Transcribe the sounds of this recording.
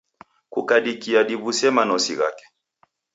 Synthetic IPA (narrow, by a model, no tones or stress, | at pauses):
kukaɗikiaɗiβusɛmanɔsḭɣa̰kɛ̥